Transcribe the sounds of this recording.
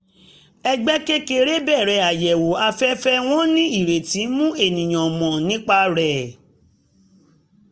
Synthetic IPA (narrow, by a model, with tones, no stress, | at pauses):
ɛ˧ɡ͡bɛ˦ke˦ke˧ɾe˦bɛ˦˨ɾɛ˧˦˨a˨jɛ˨wo˨a˧fɛ˦fɛ˦w̃ɔ̃˦nĩ˦i˦˨ɾe˨ti˨˦mũ˦e˦˨nĩ˨j̃ã˨mɔ̃˨nĩ˦k͡pa˦ɾɛ˨